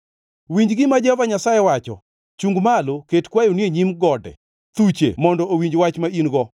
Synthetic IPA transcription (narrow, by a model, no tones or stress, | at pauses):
wiɲd͡ʒɡɪmad͡ʒɛvaɲasajɛwat͡ʃɔ̰ | t͡ʃuŋɡmaloketkwajonieɲimɡɔdɛ̰ | t̪ut͡ʃḛmɔndɔowiɲd͡ʒwat͡ʃmainɡɔ